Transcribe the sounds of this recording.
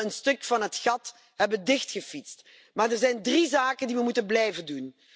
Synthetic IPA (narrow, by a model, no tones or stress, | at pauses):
ənstɵkfɑnɦətxɑt | ɦɛbəndɪxtxəfitst | maːɹdəɹzɛjndrizaːkəndiʋəmutənblɛjvəndun